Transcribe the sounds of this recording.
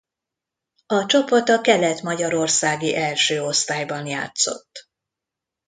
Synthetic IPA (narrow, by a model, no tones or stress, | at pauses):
ɒt͡ʃo̞pot̪ɒkɛlɛt̪mɒɟɒɾo̞rsaːɡiʔɛlʃøːo̞st̪aːjbɒnja̰ːt̪so̞̰t̪ː